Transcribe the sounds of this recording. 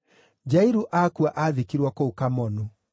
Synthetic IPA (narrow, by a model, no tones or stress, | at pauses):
d͡ʒaiɾuʔakuaʔaðikiɾwɔkoukamɔnu